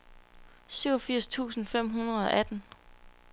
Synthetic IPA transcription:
syʊɒfiɐ̰st͡sʰṵːsn̩fem̰ɦunɐð̩ˠɒ̽ʔæd̥n̩

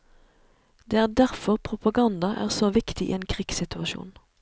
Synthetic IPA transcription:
d̪eːæːʁd̪æʁfɔʁpʰʁʊpɑɡɑnd̪ɑʔæ̰ːʁsoːʋɪkt̪ɪḭːeːnkʰʁiːɡsɪt̪ʉɑʃṵːn

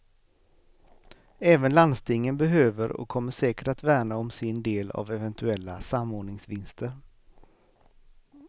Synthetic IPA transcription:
ɛːvənland̪st̪ɪŋːənbɛɦøːvəɾɔ̰kʰːɔmːəʂɛːkəʈat̪væːɳaɔmsɪnd̪eːla̰vɛvɛnt̪ʰɵɛlːasamːoːɳɪŋsvɪnst̪ʰəɾ

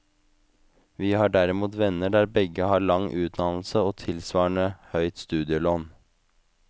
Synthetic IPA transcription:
ʋiːhɑːɖæɾɪmuːt̪ʋɛnəɖæːɾbɛɡəhɑːɭɑŋʔʉːt̪nɑl̩səoːt̪ʰɪlsʋɑːɳəhœʏt̪st̪ʉːd̪ɪəloːn

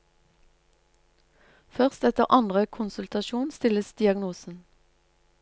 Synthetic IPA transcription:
fœʁst̪ɛt̪əʁʔɑnd̪ʁəkʰʊnsʉlt̪ɑʃuːnst̪ɪləsd̪̥ɪɑɡnuːsn̩

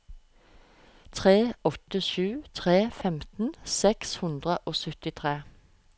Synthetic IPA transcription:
t̪ʰʁeːɔt̪əʃʉːt̪ʰʁeːfɛmt̪n̩sɛkshʉnd̪ʁəʔoːsœt̪ɪt̪ʰʁeː

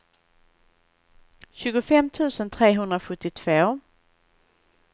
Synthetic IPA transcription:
ɕʉ̟ːɡʊfɛmːt̪ʰʉ̟ːsənt̪ʰɾeːɦɵnd̪ɾaɧɵt̪ːɪt̪ʰv̥oː

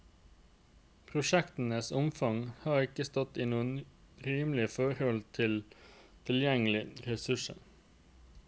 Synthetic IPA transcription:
pʰɾʊʃɛkt̪ən̩əsʊmfɑŋhɑːʁɪkəst̪ɔt̪iːnuːən | ɾiːmlɪəfɔɾhɔlt̪ʰɪlt̪ʰɪljɛŋəlɪɾɛsʉʂə̰

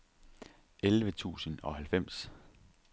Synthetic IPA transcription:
elʋət͡sʰṵːsənɒ̽hælfem̰s

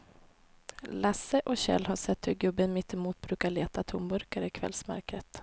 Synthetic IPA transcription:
lasːəʔɔɕɛ̰lːɦaʂɛt̪ːhɵɾɡɵbːənmɪt̪ːɪmuːt̪̚bɾʉ̟ːkaɭeːt̪at̪ʰʊmbɵɾkaɾəɪkʰvɛ̰lsma̰ɾkɾət̪

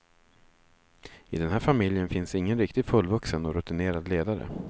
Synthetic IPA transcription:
ɪd̪ɛnhæːɾfamɪljənfɪnsɪŋːənɾɪk̚t̪ɪɡfɵlːvɵksənɔɾɵt̪ɪneːɾad̪leːd̪aɾə̰

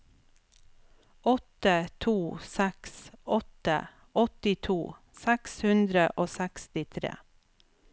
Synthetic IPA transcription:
ɔt̪ət̪ʰuːsæksɔt̪ə̰ | ɔt̪ɪt̪ʰuː | sækshʉnd̪ɾəʔoːsækst̪ɪt̪ʰɾḛː

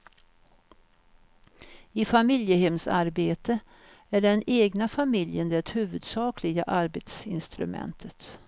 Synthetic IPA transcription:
ɪfamɪljəɦɛmsa̰ɾbeːt̪ʰə | æɖɛneːɡnafamɪljənd̪ɛt̪hʉ̟ːvɵd̪sɑːkʰlɪɡa̰ʔaɾbet̪sɪnst̪ɾɵ̰mɛ̰nt̪ʰət̪

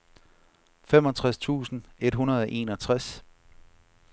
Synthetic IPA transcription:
fem̰ɒ̽t͡sʰʁast͡sʰṵːsn̩e̝d̥ɦunɐð̞ˠɒʔe̝̰ːnɒt͡sʰʁas

